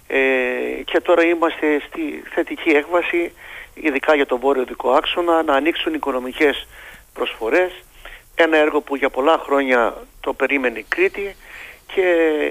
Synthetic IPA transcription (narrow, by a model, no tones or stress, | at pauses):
ece̞t̪o̞ɾɐimɐst̪e̞st̪iθe̞t̪icie̞kvɐsiḭðikɐʝɐt̪o̞vo̞ɾio̞ðiko̞ɐkso̞nɐnɐːniksuniko̞no̞mice̞spɾo̞sfo̞ɾe̞s | e̞nɐeɾɣo̞puʝɐpo̞lɐxɾo̞ɲɐt̪o̞pe̞ɾime̞nikɾit̪icʰe̞